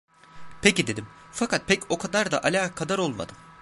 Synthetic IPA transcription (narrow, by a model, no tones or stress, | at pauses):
pʰecid̪e̞d̪imfakʰat̪̚pʰɛco̞kʰad̪aɾd̪aʔalʲaːkʰad̪aɾo̞lˠma̰d̪ɯm